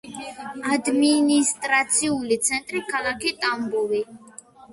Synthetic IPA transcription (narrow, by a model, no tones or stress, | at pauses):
ad̪minist̪ʼɾat̪sʰiulit̪sʰɛnt̪ʼɾikʰalˠakʰit̪ʼambɔvi